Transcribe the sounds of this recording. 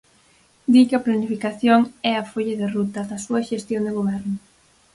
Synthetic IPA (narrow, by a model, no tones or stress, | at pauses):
d̪iʎɐplanifikaθjoŋɛɐfoʎɐðɪrut̪ɐðɐsuɐʃest̪joŋd̪ɪɣoβɛɾnʊ